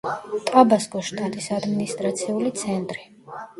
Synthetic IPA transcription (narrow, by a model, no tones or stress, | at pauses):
t̪ʼabaskʼɔʃt̪ʼat̪ʼisad̪minist̪ʼɾat̪sʰiulit̪sʰɛnt̪ʼɾi